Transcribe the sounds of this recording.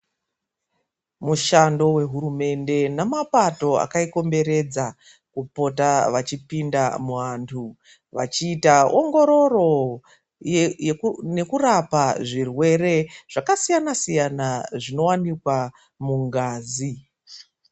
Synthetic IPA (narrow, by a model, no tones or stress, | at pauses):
muʃando̞we̞ɦuɾume̞nde̞namapato̞a̰kaiko̞mbe̞ɾe̞d͡za | kupo̞taʋat͡ʃipindamuʋaːntʰu | ʋa̰t͡ʃiːtaoŋɡo̞ɾo̞ro̞ | ne̞kurapaʐirwe̞re̞ʐ̥akasijanasijanaʐino̞wanikwa | muŋɡaːzi